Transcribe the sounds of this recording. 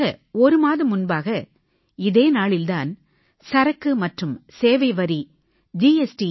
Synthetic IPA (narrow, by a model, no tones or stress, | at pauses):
ɐɔɾɯmaːðɯmʊnbaːɣɐ | ɪðeːnaːɭɪld̪aːn | sɐɾɐkːɯmɐʈrɯmseːʋɐɪʋɐɾi | d͡ʒiːɛsʈi